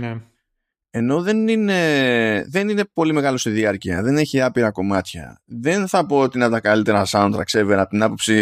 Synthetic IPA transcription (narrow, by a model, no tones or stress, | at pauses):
e̞no̞ðe̞nine̞ðe̞nine̞po̞lime̞ɣɐlost̪iðiɐɾciɐ̰ðe̞ne̞çiɐpiɾɐko̞mɐt̪çɐ̰ðe̞nθɐpo̞ot̪inɐt̪ɐkalit̪e̞ɾɐsɐnt̪ɾɐ̰kseveɾɐp̚t̪inɐpo̞psi